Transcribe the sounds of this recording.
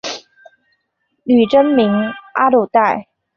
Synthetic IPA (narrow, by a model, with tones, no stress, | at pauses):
ly˨˩ʈ͡ʂə˥nmi˧˥ŋʔa˥lu˥˨˩t̪a˥˩ɪ